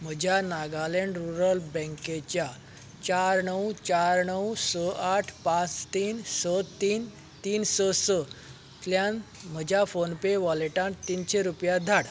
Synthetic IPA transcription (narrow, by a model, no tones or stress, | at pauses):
m̤əd͡ʑʱjanaɡalẽɳɖɾuɾəlbə̃ŋket͡ɕja | t͡ɕaɾɳəwt͡ɕaɾɳəwsəʔaʈʰpãt͡st̪iːnsət̪iːn | t̪iːnsəsə | t̪ljãnm̤əd͡ʑʱjafonpeʋɔleʈãnt̪ːiːnɕeɾupjad̪ʱaɽ